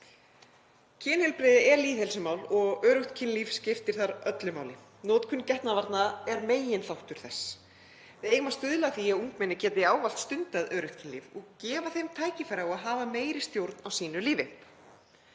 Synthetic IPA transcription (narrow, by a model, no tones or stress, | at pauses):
cʰɪːnhɛlpɾeðɪʔɛɾliːðhɛlsʏmaːwlɔɣœːɾʏht̪cʰɪnliːfscɪft̪ɪɾ̥θaɾœt̪lʏmaːwlɪ | nɔːt̪kʰʏnːcɛht̪navaɾt̪naɛɾmeːjɪnθawht̪ʏɾ̥θɛs | vɪðeːjɣmast̪ʏðlaθiauŋkmɛnːɪcɛːt̪ɪaːwval̥t̪st̪ʏnt̪aðœːɾʏht̪cʰɪnlḭːvɔɣcɛːvaθejmt̪ʰaːjcɪfɛɾaɔɣaðɦaːvameːjɾɪst̪jowɾt̪nawsiːnʏliːvɪ